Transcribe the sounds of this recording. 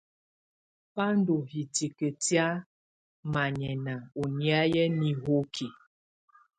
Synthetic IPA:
pa˦n˦do˨ɦi˨ti˨ke˨tja˦ | ma˨ɲɛ˨na˨o˨ni˦a˦jɛ˦ni˨ɦo˦kʰi˨

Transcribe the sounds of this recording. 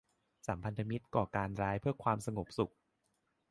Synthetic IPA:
sa˩˦mpʰa˧nt̪ʰa˧mi˦˥t̪̚kɔː˨˩kaː˧nɾaː˦˥jpʰɯ˥˩ɐkʰwaː˧msa˧ŋo˨˩p̚su˨˩k̚

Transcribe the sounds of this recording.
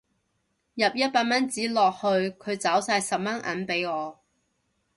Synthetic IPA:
jɐ˨p̚jɐ˥t̚paː˧t̚mɐ˥nt͡siː˨˥lɔː˨k̚hɵ˧ɥkʰɵ˨˧ɥt͡sɐ˨˥wsaː˧jsɐ˨p̚mɐ˥nʔɐ̰˨˥npe˨˥jŋɔː˨˧

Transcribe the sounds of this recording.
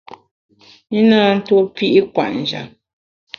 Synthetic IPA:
i˦naː˦n̩˦two˦pi˦ʔi˦kwa̰˨ʔn̩˨d͡ʒa̰˨

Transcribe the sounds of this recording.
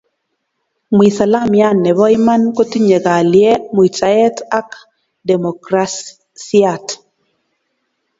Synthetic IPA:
mwi˨sa˨la˦mja˦nɛ˨βɔ˦i˦ma˦nko˦ti˦ɲe˨ɣa˨ljɛ˦mu˨i˨t͡ʃa˨ɛ˦ta˦k | dɛ˨mɔ˨kɾas | si˦at

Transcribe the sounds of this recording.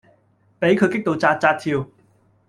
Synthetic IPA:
pe˨˥jkʰɵ˨˧ɥkɪ˥k̚t̪o˨wt͡saː˧t̚t͡saː˧t̚t̪ʰiː˧w

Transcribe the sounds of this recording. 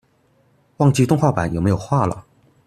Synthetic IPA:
wɑ˥˧ŋt͡ɕi˥˧t̪ʊ˥˧ŋxwa˥˩pa̰˨˦njme˧˥ɪjo˨˩xwa˥˩lə̰˩

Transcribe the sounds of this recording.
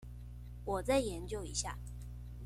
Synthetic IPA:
wɔ˨˩t͡sa˥˩ɪjɛ˨˧˦nt͡ɕjo˥˨ʊi˧˥˦ɕja̰˥˩

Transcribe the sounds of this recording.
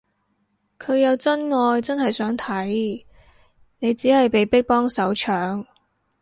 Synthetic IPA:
kʰɵ˨˧ɥjɐ˨˧wt͡sɐ˥nŋɔː˧jt͡sɐ˥nhɐ˨jsœː˨˥ŋt̪ʰɐ˨˥j | ne˨˧jt͡siː˨˥hɐ˨jpe˨jpɪ˥k̚pɔː˥ŋsɐ˨˥wt͡ʃʰœː˨˥ŋ

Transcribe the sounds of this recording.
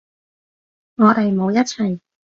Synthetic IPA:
ŋɔː˨˧t̪e˨jmo˨˧wjɐ˥t̚t͡ʃʰɵ˨˩j

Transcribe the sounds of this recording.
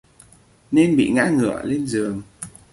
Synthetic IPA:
ne˧nɓḭ˧˨ŋa̰ː˧˥ŋɨ̰˧˩˨əle˧nzɨ˨˩əŋ

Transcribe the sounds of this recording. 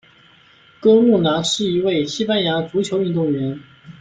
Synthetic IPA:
kɤ˥lu˥˩na˧˥ʂɻ̩˥˩i˧˥we˥˩ɪɕi˥pa˥nja˧˥t͡su˧˥t͡ɕʰjo˧˥ʊy˥˧nt̪ʊ˥˩ŋɥɛ˧˥n

